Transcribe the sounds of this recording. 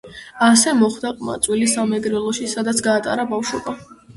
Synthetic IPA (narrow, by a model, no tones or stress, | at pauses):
asɛmɔχd̪aqʼma̰t̪sʼwilisamɛɡɾɛlˠɔʃisad̪at̪sʰɡaːt̪ʼa̰ɾabafʃɔba